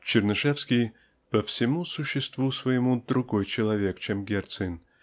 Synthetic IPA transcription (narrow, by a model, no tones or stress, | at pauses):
t͡ɕɪrnɨʂɛfsʲkʲɪj | pəfsʲɪmusʊɕːɪst̪vusvəjɪmud̪ɾʊɡojt͡ɕɪlˠɐvʲe̞kt͡ɕemɡʲert̪sɨnʲ